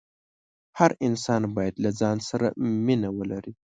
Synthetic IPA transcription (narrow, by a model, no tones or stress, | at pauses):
haɾɪnsɑnbɑjad̪lad͡zɑnsaɾa̰minawəlaɾi